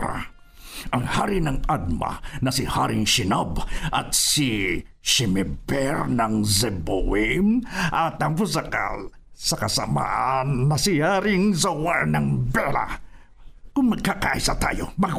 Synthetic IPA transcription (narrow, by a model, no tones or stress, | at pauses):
ɾa̰ | ʔaŋhaɾinaŋad̪̚ma̰nɐsihaɾɪŋʃinabʔat̪si | ʃimɛbɛɾnaŋzɛbowimʔat̪aŋpʊs̬aka̰lsakasa̰ma̰ʔanːasihaɾiŋsawanaŋbɛɾa̰ | kʊŋmɐɡ̚kakaʔisat̪a̰jo̰ma